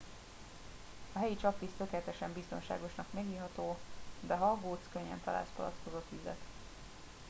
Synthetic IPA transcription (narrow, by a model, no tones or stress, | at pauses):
ɒɦɛjit͡ʃɒpːist̪ø̞kɛlɛt̪ɛʃɛmbist̪o̞nʃa̰ːɡo̞ʃnɒkmɛɡiːɦɒt̪oːd̪ɛɦɒɡoːt̪skøɲːɛ̰nt̪ɒla̰ːlspɒlɒ̰t̪kozot̪yzɛ̰t̪